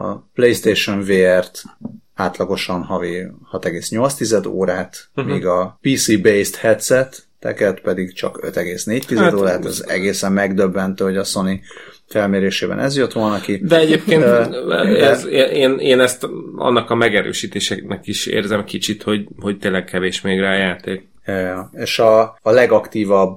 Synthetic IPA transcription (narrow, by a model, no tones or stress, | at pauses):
ɒ̰plejst̪eːʃoɱveːɛrt̪ | aːt̪lɒɡo̞ʃɒnhɒvihɒt̪ɛɡeːsɲo̞lt̪st̪izɛd̪o̰ːɾaːt̪miːɡɒpiːsiːbejst̪hɛt̪sɛt̪ː | ɛ̰kɛt̪pɛd̪iɡt͡ʃɒ̰kø̰t̪ɛɡeːsneːc̚t̪izɛtd̪oːɾaːt̪ɛ̰zɛ̰ɡeːsɛmːɛɡd̪øbːɛnt̪øːhoɟɒso̞ni | fɛlmeːɾeːʃeːbɛ̰nʔɛ̰zjøt̪ʋo̞lnɒɒkid̪ɛɛɟeːpkeːn | ɛzeʔeːneːnɛst̪ɒ̰nːɒkɒmɛɡɛɾø̰ːʃiːt̪eːʃɛnɛkiʃḛːrzɛmkit͡ʃit̪ho̞ɟhoc̚t̪eːnlːɛɡkɛveːʃmeːɡraːjaːt̪eːk | jjɒeːʃɒːlɛɡɒkt̪iːvɒb